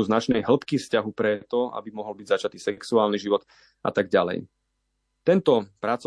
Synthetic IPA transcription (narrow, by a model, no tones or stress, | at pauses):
uznat͡ʃnɛjɦl̩pkifscaɦupɾɛt̪ɔa̰bimɔɦɔlbiɟzat͡ʃat̪isɛksuaːlniʒiʋɔt̪ | ʔa̰t̪aɡɟalɛ̰j | t̪ɛnt̪ɔpɾat͡sɔ